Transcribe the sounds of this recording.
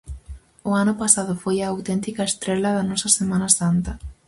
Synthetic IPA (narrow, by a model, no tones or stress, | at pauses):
ʊanʊpasaðʊfojɐːwt̪ɛnt̪ikɐest̪ɾɛlɐðɐnɔsɐsemãnɐsant̪ɐ